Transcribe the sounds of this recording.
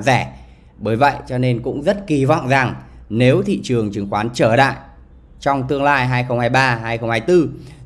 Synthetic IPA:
zɛ˧˩ | ɓəː˨˦jvə̰˧˨jt͡ɕɔ˧ne˧nkʊ̰˧˥ŋ͡mzə˦˥t̚ki˨˩vɔ̰˧˨wŋ͡mza˨˩ŋne˨˦wt̪ʰḭ˧˨t͡ɕɨ˨˩əŋt͡ɕɨ˨˦ŋxwaː˨˦nt͡ɕəː˧˩la̰ː˧˨j | t͡ɕɔ˧wŋ͡mt̪ɨ˧əŋlaː˧jɦaː˧jxə˧wŋ͡mhaː˧jɓaː˧ɦaː˧jxə˧wŋ͡mhaː˧jt̪ɨ˧

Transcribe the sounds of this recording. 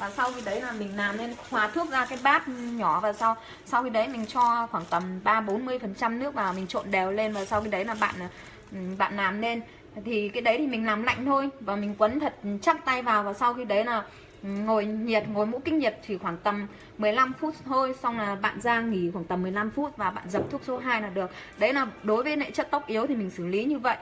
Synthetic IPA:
vaː˨˩sa˧wxi˧ɗə˨˦jlaː˨˩mï˨˩ŋ̟laː˨˩mne˧nxwaː˨˦t̪ʰɨ˦˥ək̚zaː˧kaː˨˦jɓaː˦˥t̚ɲɔ˧˩vaː˨˩sa˧w | sa˧wxi˧ɗə˨˦jmï˨˩ŋ̟t͡ɕɔ˧xwaː˧˩ŋt̪ə˨˩mɓaː˧ɓo˨˦nmɨ˧əjfə˨˩nt͡ɕa˧mnɨ˦˥ək̚vaː˨˩wmï˨˩ŋ̟t͡ɕo̰˧˨nɗɛ˨˩wle˧nvaː˨˩sa˧wxi˧ɗə˨˦jlaː˨˩ɓa̰ː˧˨nʔ | ɓa̰ː˧˨nlaː˨˩mne˧n | t̪ʰi˨˩kaː˨˦jɗə˨˦jt̪ʰi˨˩mï˨˩ŋ̟laː˨˩mla̰˧˨jŋ̟t̪ʰo˧jvaː˨˩mï˨˩ŋ̟kwə˨˦nt̪ʰə˨˩t̚t͡ɕa˦˥p̚t̪a˧jvaː˨˩wvaː˨˩sa˧wxi˧ɗə˨˦jlaː˨˩ | ŋo˨˩jɲi˨˩ət̚ŋo˨˩jmṵ˧˥kï˦˧ŋ̟̚ɲi˨˩ət̚t̪ʰi˨˩xwaː˧˩ŋt̪ə˨˩mː | ɨ˨˩əjla˧mfu˦˥t̚t̪ʰo˧jsa˧wŋ͡mlaː˨˩ɓa̰ː˧˨nzaː˧ŋi˧˩xwaː˧˩ŋt̪ə˨˩mːɨ˨˩əjla˧mfu˦˥t̚vaː˨˩ɓa̰ː˧˨nzə˨˩p̚t̪ʰu˦˥k̚so˨˦ɦaː˧jnaː˨˩ɗɨ˨˩ək̚ɗə˨˦jlaː˨˩ɗo˨˦jvə˨˦jnḛ˧˨t͡ɕə˦˥t̚t̪ʊ˦˥wk͡p̚ʔi˨˦əwt̪ʰi˨˩mï˨˩ŋ̟sɨ˧˩li˨˦ɲɨ˧və̰˧˨j

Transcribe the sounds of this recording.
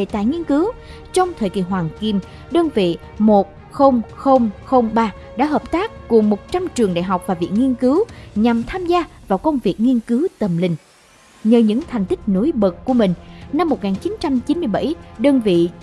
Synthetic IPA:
e˨˩t̪a̰ː˧˨jŋi˧ənkɨ˨˦w | t͡ɕɔ˧wŋ͡mt̪ʰəː˨˩jki˨˩ɦwaː˨˩ŋki˧m | ɗəː˧nvḭ˧˨ | mo˨˩t̚ | xə˧wŋ͡mxə˧wŋ͡mxə˧wŋ͡mɓaː˧ | ɗa̰ː˧˥ɦəː˨˩p̚t̪aː˦˥k̚ːu˨˩ŋmo˨˩t̚t͡ɕa˧mt͡ɕɨ˨˩əŋɗa̰ː˧˨jɦa˨˩k͡p̚vaː˨˩vḭ˧˨əŋi˧ənkɨ˨˦wɲa˨˩mt̪ʰaː˧mzaː˧vaː˨˩wkə˧wŋ͡mvi˨˩ək̚ŋi˧ənkɨ˨˦wt̪ə˨˩mlï˨˩ŋ̟ | ɲəː˨˩ɲɨ̰˧˥ŋt̪ʰɛ˨˩ŋ̟t̪ï˦˥k̟̚no˨˦jɓə˨˩t̚ku˧˩əmï˨˩ŋ̟na˧mːo˨˩t̚ŋaː˨˩nt͡ɕi˨˦nt͡ɕa˧mt͡ɕi˨˦nmɨ˧əjɓa˧˩jɗəː˧nvḭ˧˨

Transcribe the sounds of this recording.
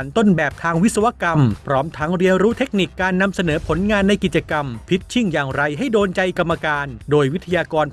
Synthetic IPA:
nt̪o˥˩nbɛː˨˩p̚t̪ʰaː˧ŋwi˦˥t̚sa˧wa˦˥ka˧mpʰɾɔː˦˥mt̪ʰa˦˥ŋɾi˧ənɾuː˦˥t̪ʰe˦˥k̚ni˨˩kːaː˧nːa˧msa˧nɤː˩˦pʰo˩˦nŋaː˧nːa˧jki˨˩t̪̚t͡ɕa˧ka˧mpʰi˦˥t̪̚t͡ɕʰi˥˩ŋjaː˨˩ŋɾa˧jɦa˥˩jdoː˧nt͡ɕa˧jka˧mːa˧kaː˧ndoː˧jwi˦˥t̪ʰa˧jaː˧kɔː˧n

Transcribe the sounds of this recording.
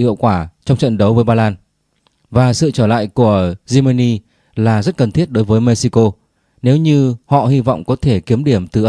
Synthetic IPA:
ḭ˧˨əwkwaː˧˩t͡ɕɔ˧wŋ͡mt͡ɕə̰˧˨nɗə˨˦wvəː˨˦jɓaː˧laː˧n | vaː˨˩sɨ̰˧˨t͡ɕəː˧˩la̰ː˧˨jku˧˩əzi˧mə˧ni˧ | laː˨˩zə˦˥t̚kə˨˩nt̪ʰi˦˥ət̚ɗo˨˦jvəː˨˦jme˧si˧ko˧ | ne˨˦wɲɨ˧hɔ̰˧˨hi˧vɔ̰˧˨wŋ͡mkɔ˨˦t̪ʰe˧˩ki˨˦əmɗi˧˩əmt̪ɨ˨˩ʔ

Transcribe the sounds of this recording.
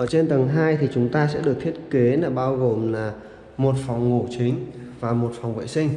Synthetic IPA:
ʔəː˧˩t͡ɕe˧nt̪ə˨˩ŋɦaː˧jt̪ʰi˨˩t͡ɕʊ˨˦ŋ͡mt̪aː˧sɛ̰˧˥ɗɨ˨˩ək̚t̪ʰi˦˥ət̚ke˨˦laː˨˩ɓaː˧wɣo˨˩mlaː˨˩ | mo˨˩t̚fɔ˨˩wŋ͡mŋo̰˧˩t͡ɕï˨˦ŋ̟ | vaː˨˩mo˨˩t̚fa˨˩wŋ͡mvə̰ː˧˨jsï˧ŋ̟

